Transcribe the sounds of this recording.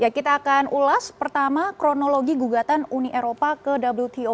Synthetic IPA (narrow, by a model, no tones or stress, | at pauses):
jakit̪aːkanʔulaspərt̪amakɾonoloɡiɡuɡat̪anuniʔeɾopakədablult̪ʰio